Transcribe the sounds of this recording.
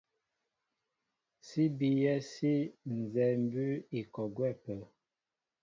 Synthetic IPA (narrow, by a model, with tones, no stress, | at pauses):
si˦bi˦jɛ˦si˦n̩˨zɛ˨m̩˦bʉ˦i˨kɔ˨ɡwɛ˦˨pə˨